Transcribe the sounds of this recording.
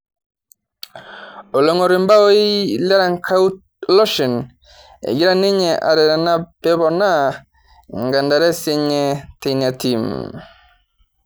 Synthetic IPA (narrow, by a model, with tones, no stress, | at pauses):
o˨lɔ˨ŋo˨ɾi˨mba˦wo˦i˦lɛ˦ɾa˦ŋkʰa˦u˦t | lɔ˦ʃi˨n | ḛ˨ɡi˦ɾa˦˨ni˦ɲɛ˨ʔa̰˨ɾɛ˨ɾa˨na˦pɛ˦bɔ˨na˦ | ŋɡa˨nda˨ɾɛ˦se˦ɲɛ˨te˨na˨ti˨m